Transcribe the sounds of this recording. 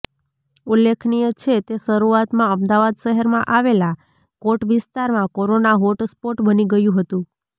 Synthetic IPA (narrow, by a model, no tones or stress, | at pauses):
ulːekʰnijət͡ʃʰet̪eʃəɾuat̪mãəmd̪aʋad̪ʃəɦəɾmãʔaʋela | koʈʋɪst̪aɾmãkoɾonaɦoʈspoʈbəniɡəjũɦət̪ũ